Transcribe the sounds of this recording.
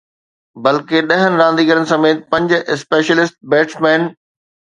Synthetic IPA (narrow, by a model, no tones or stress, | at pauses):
bɐlkeɗɐɦənɪ̆ɾãːnd̪iːɡəɾənɪ̆sɐmeːt̪ɪ̥pɐ̃ɲd͡ʑʊʔɪspeːʃəlɪsʈ̚beːʈsmɛːn